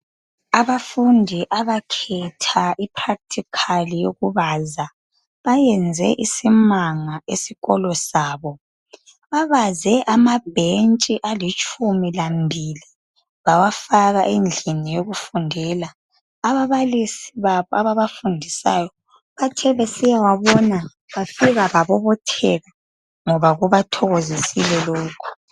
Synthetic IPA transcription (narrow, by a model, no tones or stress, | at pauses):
aβafundʱiʔaβakʰɛtʰaʔipʰrak̚tʰikʰalijoɣuβaza | βajɛnd͡zʱɛ̰ʔisimaŋaʔesiɣɔlɔsaːβɔ | βaβazɛʔamab̥ʱent͡ʃʼiʔalit͡ʃʼʰumilambʱili | βawafaɣaʔend͡ɮʱinijoɣufundʱɛlaː | βaβalisiβaβɔaβaβafundʱisa̰jɔ | βatʰɛβesijawaβɔna | βafiɣaβaβɔβɔtʰɛɣa | ŋɔβaɣuβatʰɔɣozisilɛlɔːkʰɔ̥